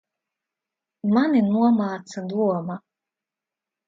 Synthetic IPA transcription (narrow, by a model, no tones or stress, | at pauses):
manʲinuɔmaːt̪sad̪uɔma